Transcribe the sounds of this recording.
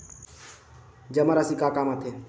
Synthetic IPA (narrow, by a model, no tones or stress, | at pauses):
d͡ʒəmaɾasikaːkaːmat̪ʰe